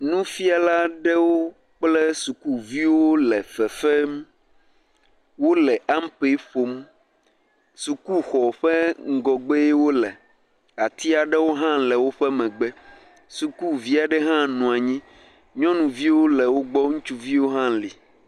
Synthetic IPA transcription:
nũ˦fi˦a˨la˦ɖɛ˦wo˦ | k͡plɛ˦su˨ku˦vi˦wo˦lɛ˨fɛ˨fɛ˦m˦ | wo˦lɛ˨a˦m̩˦pe˨˦ɸo˨m | su˨ku˦xɔ˨ɸɛ˦ŋ̩˦ɡɔ˨ɡ͡be˦e˦wo˦lɛ˨ | a˨t̪i˦a˨ɖɛ˦wo˦ɦã˦lɛ˨wo˦ɸɛ˦mɛ̃˨ɡ͡bɛ˦ | su˨ku˦˨vi˦a˨ɖɛ˦ɦã˦nũ˨a˨ɲĩ˦ | ɲɔ̃˦nũ˨vi˦wo˦lɛ˨wo˦ɡ͡bɔ˦ŋũ˦t͡ʃu˦vi˦wo˦ɦã˦li˨

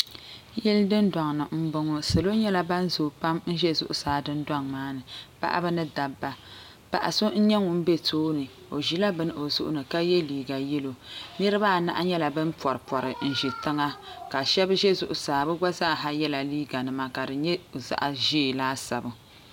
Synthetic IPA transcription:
jɛ˦ldɨ˦nda˨ŋnɨ˨m̩˦bɨ˦ŋɔ˦sɨ˨lo˦ɲɛ˦la˦ba˦n˦zoː˨pa˦mn̩˦ʒɛ˦zʊ̰˨ʔʊ˦saː˨dɨ˦nda˦ŋmaː˦nɨ˨pa̰˦ʔa̰˦bɨ˦nɨ˦da˨bːa˨ | pa̰˨ʔa˨so˦n̩˦ɲɛ˦ŋʊ˨m̩˦be˦tʰoː˦nɨ˨ | o˨ʒi˦la˦bɨ˦n˦˨o˨zʊ̰˦ʔʊ̰˦nɨ˨ka˦jɛ˦liː˨ɡa˨jɛ˦lo˨nɨ˦ɾɨ˦baː˦˨na̰˦ʔa˦ɲɛ˦la˨bɨ˦npɔ˨ɾɨ˨pɔ˨ɾɨ˨n̩˨ʒi˨tɨ˦ŋa˦ka˨ʃɛ˦bɨ˦ʒɛ˦zʊ˨ʔʊ˨saː˨bɨ˦ɡa˦zaː˦˨ɦa˦jɛ˦la˨liː˦ɡa˨nɨ˨ma˨ka˨dɨ˨ɲɛ˦˨za̰˦ʔa˨ʒeː˦˨laː˦sa˨bɨ˨

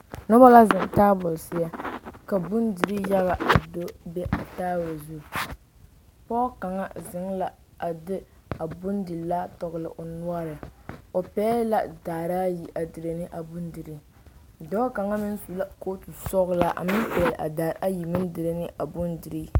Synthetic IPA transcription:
nɔ˦ba˦la˦zɪ˨ŋ˨taː˦bʊ˨lsɪ˦ja˦ka˨bu˦ndɨ˨ɾi˦ja˦ɣa˨ʔa˨do˦bɛ˦ʔa˨taː˦wɾa˨zu˦˨ | pɔ˦ka˨ŋa˦zɪ˨ŋla˨ | a˨dɪ˦a˨bʊ˦ndi˨la˦tɔ˨ɣlɨ̰˨ʔo˨nu˦a˦ɾɨ˨o˨pɛː˦la˦daː˨ɾa˦ji˨ʔa˨dɨ˨ɾe˨nɨ˦ʔa˨bu˦ndɨ˨ɾi˦ | dɔ˦ka˨ŋa˦mɪ˦n˦su˨la˦ko˦tu˨sɔ˦ɣla˦ʔa̰˨mɪ˦n˦pɛ˨lʔa̰˨daː˨ɾa˦ji˨mɪ˦n˦dɨ˨ɾe˦nɨ˦ʔa˨bʊ˦ndɨ˨ɾi˦

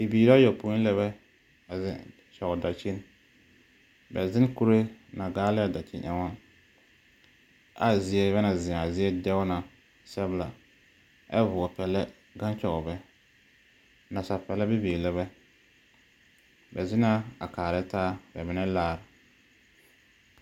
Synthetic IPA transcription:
i˨biː˨ɾa˦jɔ˨pu˦lɛ˦βɛ˦ | a˨zɪ˨ | t͡ʃɔ˨ɡɔ˨da˨t͡ʃi˦n | bɛ˨zɪ˦n˦ku˦ɾe˦na˨ɡaː˦lɛ˦˨da˨t͡ʃɪ̰˦ʔɛ̰˨ŋɔ˦n | a̰˨zɪ˨ɛ˦bɛ˦na˨zɪ̃˨a˨zɪ˦ɛ˦dɛ˦wna˨ | sɛ˦bla˨ | ɛ̰˦vʊ˨ɔ˨pɛ˨lɛ˦ | ɡã˦nt͡ʃɔ˨ɣɔ˨bɛ˦ | na˨sa˨pɛ˨lɛ˦bɪ˦biː˨lɛ˦βɛ˦ | bɛ˨zɪ˦na˦a˨kaː˨ɾɛ˦taː˦bɛ˨mɪ˨˦nɛ˦laː˦˨ɾɪ˨

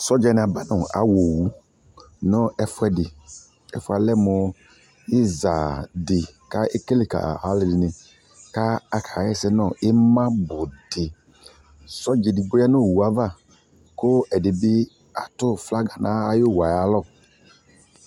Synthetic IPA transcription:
sɔ˦d͡ʒɛ˨nɪ˨a˨ba˦nɔ˨a̰˨˦wo˨wu˦ | nɔ˦ɛ˦fʊ˦ɛ˦dɪ˨ | ɛ̰˨fʊ˦a˨lɛ˦mɔ˨ | ɪ˦za̰˨dɪ˨ka˦e˦ke˦le˨ka̰˨a˨˦lɪ˨dɪ˨nɪ̃˨ | ka˦a˨kʰa˨˦ɛ˦sɛ˦nɔ˦˨ɪ˦mã˦bʊ˨d̥ɪ˨ | sɔ˦d͡ʒɛ˨dɪ˨ɡ͡bo˦ja˦nɔ˦˨wu˨a˨˦va˦˨ | kʊ˦ɛ˨dɪ˨bɪ˦ | a˨tʊ˦fla˦ɡa˨nã˦a˦jo˦˨wa˨ja˨˦lɔ˦˨

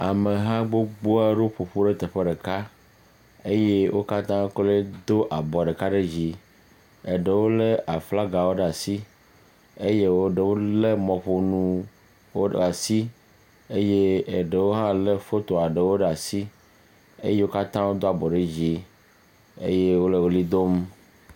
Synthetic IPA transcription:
a˨mẽ˨ɦã˦ɡ͡bo˦ɡ͡bo˦a˦ɖo˦ɸo˨ɸo˦ɖe˦t̪e˨ɸe˦ɖe˨ka˦ | e˦je˦wʔo˦ka˦t̪ã˦kle˦d̪o˦ʔa˨bɔ˨ɖe˨ka˦ɖe˦d͡ʑi˨ | e˨ɖe˨wo˦le˦ʔa˨fla˦ɡa˨wo˦ɖa˨si˦ | e˦je˦wo˦ɖe˨wo˦le˦mɔ̃˨ɸo˨nũ˦ | wo˦a˨si˦ | e˦je˦e˨ɖe˨wo˦ɦã˦le˦fo˦t̪o˨a˨ɖe˨wo˦ɖa˨si˦ | ḛ˦je˦wo˦ka˦t̪ã˦wo˦d̪o˦a˨bɔ˨ɖe˦d͡ʑi˨ | ḛ˦je˦wo˦le˨wo˦li˦d̪o˦m

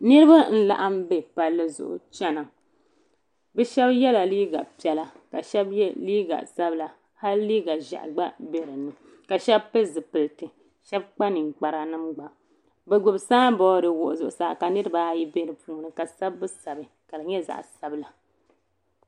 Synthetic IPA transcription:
nɨ˦ɾɨ˦ba˦n̩˦la̰˨ʔa˦mbɛ˦pa˨lːɨ˦zʊ̰˨ʔʊ̰˨t͡ʃɛ˦na˨ | bɛ˦ʃɛ˦bjɛ˦la˨liː˦ɡa˨pi˨˦ɛ˦la˨ka˨ʃɛ˦bjɛ˦liː˦ɡa̰˨sa˦bla˨ | ha˦lliː˦ɡa˨ʒa̰˨ʔɡ͡ba˦be˦ɾɨ˨nɨ˦ | ka˨ʃɛ˦bpɨ˦zɨ˨pɨ˨ltɨ˨ | ʃɛ˦b̚k͡pa˦nɨ˨ŋ˨k͡pa˨ɾa˨nɨ˦mɡ͡ba˨ | bɛ˨ɡ͡bʊ˨bsaː˦bɔ˦dɨ˨wʊ˨ʔʊ˨zʊ˨ʔʊ˨saː˦˨ka˨nɨ˦ɾɨ˦ba˦ji˦be˦ɾɨ˨puː˦nɨ˨ka˨sa˦bːɨ˦sa˨bɨ˨ | ka˨lɨ˨ɲɛ˦za̰˨ʔsa˦bla˨

